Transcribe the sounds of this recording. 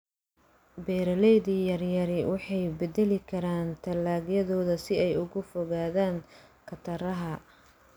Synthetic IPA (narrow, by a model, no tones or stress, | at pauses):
bɛːɾɐlɛjðiːjɐrjɐɾɪwɑħɑjbɛd̪ɛlɪkʰɐɾaːnt̪ʰɐlːaːɣjɐðɔːðɐsɪɛjʊɣʊfɔɣaːðaːŋ | kʰɐt̪ʰɐɾɐɦɐ